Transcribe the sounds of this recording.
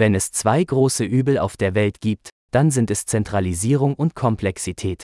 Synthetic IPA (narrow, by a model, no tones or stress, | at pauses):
vɛnɛst͡sv̥aɪɡʁoːsəʔyːbl̩a̰ʊfd̥eːɐvɛltɡ̥iːp̚t | d̥anzɪntɛst͡sɛntʁ̥aliziːʁ̞ʊŋʔʊntkʰɔmpʰlɛksitʰɛːt